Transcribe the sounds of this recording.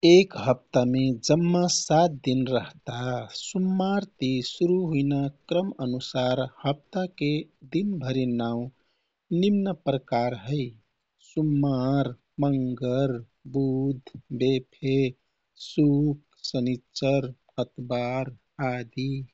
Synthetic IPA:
ekɦəp̚t̪amed͡ʒəmːasat̪̚d̪inɾəɦt̪asumːaɾt̪isuɾuɦuinakɾəmənusaɾhəp̚t̪aked̪inbʱəɾinaʊ̃ | nimnəpɾəkaɾɦəɪ | sumːaɾ | məŋɡəɾ | bud̪ʱbepʰe | suk̚ | sənit͡ʃəɾ | hət̪baɾ | ad̪i

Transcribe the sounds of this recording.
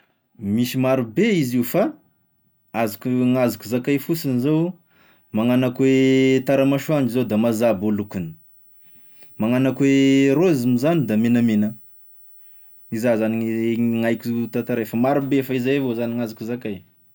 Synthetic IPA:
misimaɾubeiziufa | azukuŋazukuzakajfusinizow | maŋanakuwet̪aɾamaʃuand͡ʒizowd̪amazabolukuni̥ | maŋanakweɾoizimizanid̪amenəmenə | izazaniŋajkʲut̪at̪aɾajfamaɾubefaizajvozaniŋazukuzakaj

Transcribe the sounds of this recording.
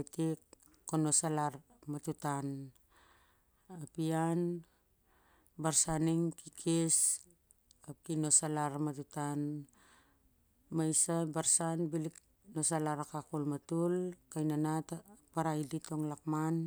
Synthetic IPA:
tik | kːono̞salaɾ | matutan | apian | baɾsaniŋkikʰes | ap̚kino̞salaɾmatutan | majsabaɾsanbilik̚ | no̞salaɾakakulmatulkajnanatpaɾajdito̞ŋlakman

